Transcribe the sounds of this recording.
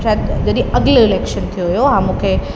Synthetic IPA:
sad̪d͡ʑɐd̪ĩɐɡloɪleːkʃənt̪ʰijoɦijoɦãːmũːkʰe

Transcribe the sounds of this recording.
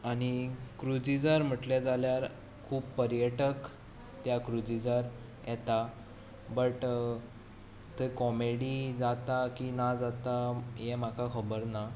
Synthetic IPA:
aɽ̃ikɾud͡zid͡zaɾm̤əʈljad͡zaljaɾ | kʰuːbpːəɾjəʈək | t̪jakɾud͡zid͡zaɾ | jʔɛt̪a | bəʈ | t̪ekɔmeɽid͡zat̪akinad͡zat̪ajɛm̤akʰakʰəbəɾna

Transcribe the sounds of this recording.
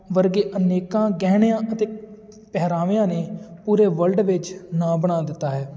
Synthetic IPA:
ʋəɾɡeːʔəneːkãːɡɛːɳjãːʔət̪eː | pɛɦɾaːʋejãːneːpuːɾeːʋəlɖʋɪt͡ʃnãːbəɽ̃aːd̪ɪt̪ːaːɦɛː

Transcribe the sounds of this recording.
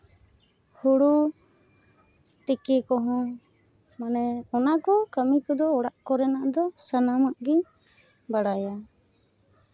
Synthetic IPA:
huɽu | t̪ɛkɛkɔɦɔ̃ | manɛɔnakɔkəmikɔd̪ɔːɽaʔkɔɾɛnaʔd̪ɔsanamaʔɡiɲ | baɽaja

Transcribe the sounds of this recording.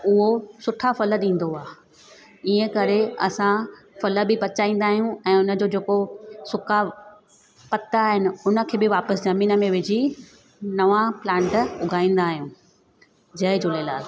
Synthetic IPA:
ʊɦosʊʈʰafɐlə̆ɗĩːn̆d̪oaː | iːə̃kɐɾeɐsã | fɐləbɪpɐt͡ɕaːĩːn̆d̪aːɦijũɛ̃ːʊnə̆d͡ʑoːd͡ʑeːkosʊkʰa | pɐt̪aːɦɪnɪ̆ʊnə̆kʰeːbɪʋaːpəszɐmiːnə̆mẽʋɪd͡ʑi | nɐʋãplãːɳʈʊɡʱaːĩːn̆d̪aːɦijũː | d͡ʑɐɪd͡ʑoleːlaːl

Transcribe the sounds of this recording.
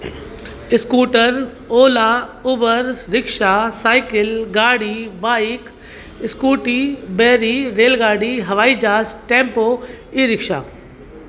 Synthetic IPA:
ɪskuːʈəɾ | oːlaʊbəɾːɪkʃaːsaːɪkɪlɡaːɽiʋaːik | ɪskuːʈibeːɾiɾeːlɡaːɽiɦɐʋaːid͡ʒaːsʈẽːmpoː | iɾɪkʃa̰ː

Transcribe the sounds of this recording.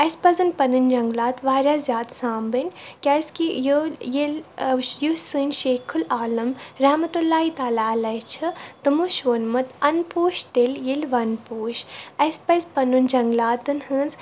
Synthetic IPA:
ɐspɐzɨnpɐnɨnd͡ʒɐŋɡlaːt̪ʋaːɾazʲjaːd̪sãːmbɨnʲkʲɐskijujiljusɨnʃeːkʰulaːlɐmɾamɐt̪ulːaːit̪aːlaːlɐjt͡ʃʰɨt̪ɨmuʃʋɐnmɐt̪ɐnpuːʃt̪eljilʋɐnpuːʃɐspɐzpɐnund͡ʒɐŋɡlaːt̪ɨnhɨnz

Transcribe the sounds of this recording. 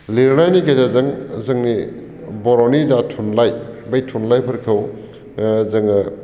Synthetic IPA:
liɾnajnikezazɐŋzɐŋni | bɔɾonidatʰunlajbejtʰunlajpʰɐɾkʰɐw | zɐŋ

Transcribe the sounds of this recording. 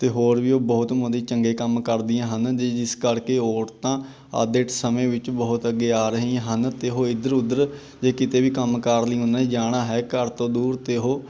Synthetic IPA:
t̪eːɦoːɾʋiːoːbɔːt̪mʊd̪ĩːt͡ʃəŋɡeːkəmkəɾd̪ɪãːɦənd͡ʒeːd͡ʒɪskəɾkeːoːɾt̪ãː | a̰ːd̪eːʈsəmẽːʋɪt͡ʃbəːʊt̪əɡːeːaːɾəɦiːãɦənt̪eːɦoːɪd̪əɾʊd̪əɾ | d͡ʒeːkɪt̪eːʋiːkəmkəɾliɦõnaːiːd͡ʒaːɽaːɦɛːkəɾt̪õːd̪uːɾt̪eːɦoː

